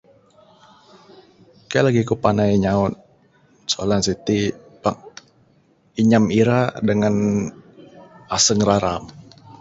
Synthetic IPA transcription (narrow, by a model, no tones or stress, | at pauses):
kajalaɡikupanajiɲaʊn | soa̰lansit̪ipak̚ | iɲamiɾadəŋan | asəŋɾaɾam